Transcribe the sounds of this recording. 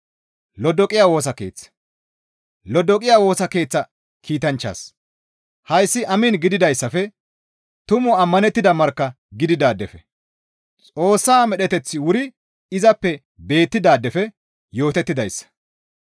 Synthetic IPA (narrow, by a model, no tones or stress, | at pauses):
lɔd̪ɔkʼɪjaːwo̞ːs̬ɐke̞̰ːt͡sːɐ̥ | lɔd̪ɔkʼɪjaːwo̞ːsɐke̞ːt͡sːɐ | kʰiːt̪ɐnt͡ʃːa̰ːs | hɐjsːɪʔɐmɪnɡɪd̪ɪd̪ɐjsːɐfɛ | t̪ʊmʊɐmːɐnɛt̪ːɪd̪ɐmɐɾkːɐ | ɡɪd̪ɪd̪aːd̪ːɛfɛ | t͡sʼo̞ːsːaːmɛɗɛt̪ɛt͡sːɪwʊɾɪ | ɪzɐpːɛ | be̞ːt̪ːɪd̪aːd̪ːɛfɛ | jo̞ːt̪ɛt̪ːɪd̪ɐjsːɐ̥